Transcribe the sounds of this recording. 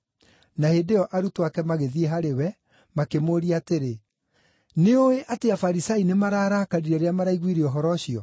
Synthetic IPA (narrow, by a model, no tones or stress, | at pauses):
nahedeɔʔaɾutowakɛmaɣeðieɦaɾewɛ | makemoɾiaːteɾe | neoeʔateafaɾisainemaɾaːɾakaɾiɾɛɾeamaɾaiɣwiɾeɔɦɔɾɔɕiɔ